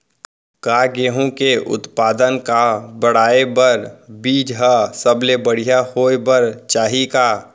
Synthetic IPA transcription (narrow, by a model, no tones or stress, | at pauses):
kaːɡeːɦõkeʔʊ̰t̪paːd̪ənkabəɽ̤aːebəɾbiːd͡ʒɦasəblebəɽ̤ijahoːebəɾt͡ʃaːɦika